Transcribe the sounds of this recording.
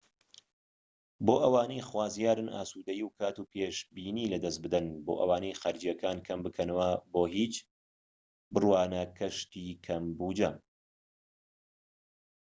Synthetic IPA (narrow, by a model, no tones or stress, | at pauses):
boːʔɐwaːnejxwaːzjaːɾɨnʔa̰ːsud̪ɐjiwkʰaːt̪upʰeːʃbiːniːlɐd̪ɐs̬bɨd̪ɐnboːʔɐ̰waːnɐjxaɾɨd͡ʒijɐkaːnkʰɐmbɨkʰɐnɐwɐboːɦiːt͡ʃ | bɨrwaːnɐkʰɐʃt̪ikʰɐmbuːd͡ʒɐm